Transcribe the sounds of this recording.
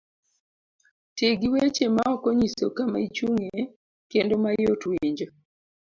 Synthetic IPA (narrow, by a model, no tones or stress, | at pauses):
teɡiwet͡ʃemaɔkɔɲisokamait͡ʃuŋe | kendomajotwiɲd͡ʒo